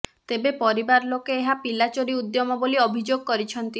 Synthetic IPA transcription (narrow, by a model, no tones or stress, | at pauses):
t̪ebepɔɾibaɾlokeeɦapilat͡ʃoɾiud̪jɔmɔboliɔbʱid͡ʒoɡ̚kɔɾit͡ʃʰɔnt̪i